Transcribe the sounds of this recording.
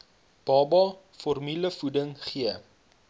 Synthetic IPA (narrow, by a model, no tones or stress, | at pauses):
b̥ɑːbɑ | fɔrmyləfudəŋχiə